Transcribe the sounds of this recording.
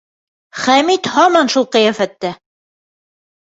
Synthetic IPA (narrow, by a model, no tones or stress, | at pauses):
χæmit̪hɑmɑnʃulˠqɤ̆jæfæt̪ːæ